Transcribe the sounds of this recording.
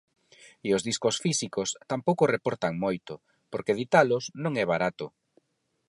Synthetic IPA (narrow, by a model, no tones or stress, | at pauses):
iozðiskosfisikost̪ampowkʊrepoɾt̪aŋmojt̪ʊ | poɾkeðit̪alʊsnõŋɛβ̞aɾat̪ʊ